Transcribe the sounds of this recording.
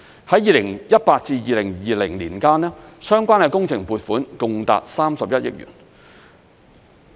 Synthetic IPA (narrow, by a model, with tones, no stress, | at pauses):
hɐ˨˥jiː˨˩lɪ˨˩ŋjɐ˥t̚paː˧t̚t͡siː˧jiː˨lɪ˨˩ŋjiː˨lɪ˨˩ŋliː˨˩nkaː˥nɛː˥sœː˥ŋkʷaː˥nɛ˧kʊ˥ŋt͡sʰɪ˨˩ŋpuː˨˧t̚fuː˨˥nkʊ˨ŋt̪a̰ː˨t̚saː˥msɐ˨p̚jɐ˥t̚jɪ̰˥k̚jy̰ː˨˩n